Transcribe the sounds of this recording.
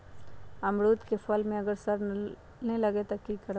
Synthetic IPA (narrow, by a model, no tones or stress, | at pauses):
ɐmɾuːt̪kefɐlmẽɐɡəɾsɐɾ | nelɐɡet̪ɐkːikɐɾ